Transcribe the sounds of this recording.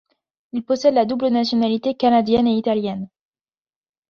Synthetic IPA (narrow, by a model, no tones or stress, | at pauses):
ilpɔsɛd̪lad̪ublənasjɔnalit̪ekanad̪jɛneit̪aljɛn